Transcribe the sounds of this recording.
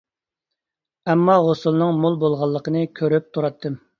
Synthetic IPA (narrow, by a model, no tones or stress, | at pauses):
ɛmːɑʁosulˠnɨŋmolˠbolˠʁɑlˠːəqənɨkʲʰøɾyp̚t̪ʰuɾɑt̪ʰːɨm